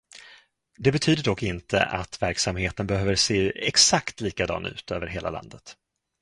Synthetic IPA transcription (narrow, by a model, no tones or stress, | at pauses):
d̪ɛbɛt̪ʰyːd̪əɖɔkːɪnt̪ʰə̰ʔat̪væɾksamheːt̪ənbɛhøːvəɾʂeːɛksakt̪liːkad̪ɑ̰ːnʉ̟ːt̪ʰøːvəɾɦeːla̰la̰nd̪ət̪